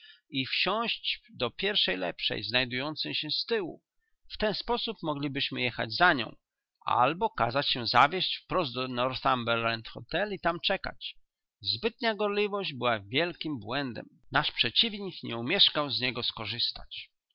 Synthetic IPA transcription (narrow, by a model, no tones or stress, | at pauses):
ifɕɔ̃ɕt͡ɕd̪ɔpʲjɛɾfʂɛjlɛ̰pʂɛ̰jznajd̪ujɔnt̪sɛjɕɛ̃st̪ɘwṵ | ft̪ɛnspɔsupmɔɡlʲibɘɕmɘjɛxa̰d͡ʑzaɲɔ̰̃w̃ | ʔa̰lbɔka̰zat͡ɕɕɛzavʲjɛɕt͡ɕfpɾɔzd̪d̪ɔnɔɾθambɛlːɛnt̪xɔt̪ɛlit̪amt͡ʂɛka̰t͡ɕ | zbɘt̪ɲaɡɔɾlʲivɔʑd͡ʑbɘwavʲjɛlkʲimbwɛnd̪ɛ̰mnaʂpʂɛt͡ɕivɲikɲɛumʲjɛʂkawzɲɛɡɔskɔʐɘst̪a̰t͡ɕ